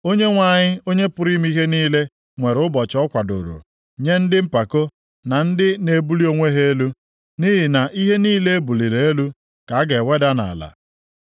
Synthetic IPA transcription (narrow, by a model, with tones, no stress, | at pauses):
o˦ɲe˦ŋʷa˨ɲɪ˦o˦ɲe˦pʊ˨ɾi˦m˦i˦ɦe˦niː˦le˦ | ŋʷe˨ɾʊ˦bɔ˨t͡ʃɔ˦kʷa˨dʊ̰˨ɾṵ˨ | ɲe˦n̩˦dɪ˦m̩˦pa˨ko˦ | na˨n̩˦dɪ˦ne˨bu˦li˦o˦ŋʷe˦ɦe˦e˦lu˦ | ni˦ɦɪ˨na˨ʔi˦ɦe˦niː˦le˦e˦bu˨li˨ɾe˨e˦lu˦ | ka˨a˦ɡe˨we˦da˦na̰˨la̰˨